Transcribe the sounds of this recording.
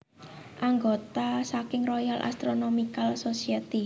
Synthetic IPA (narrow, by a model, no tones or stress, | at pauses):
ʔaŋɡot̪asakɪŋrojalʔa̰st̪ɾonomikalsosiat̪i